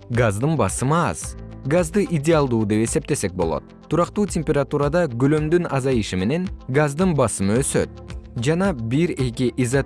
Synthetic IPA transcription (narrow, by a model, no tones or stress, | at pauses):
ɡazd̪ɯnbɑsɯmɑ̰z̥ɡazd̪ɯʔidʲɪalˠd̪uːd̪e̞pe̞se̞p̚t̪e̞se̞k̚bo̞lˠo̞̰t̪̚t̪ʰːuɾɑqt̪uːtʲemʲpʲeɾat̪uɾad̪ɑɡølø̞md̪ynʔɑzɑjɯʃime̞ne̞ŋɡazd̪ɯnbɑsɯmɯøsø̞̰t̪̚d͡ʒɑnɑbiɾe̞kiʔizɑ